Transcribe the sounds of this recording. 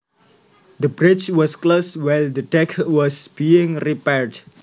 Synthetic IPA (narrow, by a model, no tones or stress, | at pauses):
d̪əbɾɪt͡ʃwɔskloswajld̪ədɛkwɔsb̥iɪ̃ŋripɛɹd